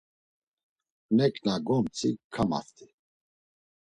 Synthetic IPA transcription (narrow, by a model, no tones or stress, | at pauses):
nɛkʰʼnaɡɔmt͡sʰʼikʰːama̰st̪ʰi̥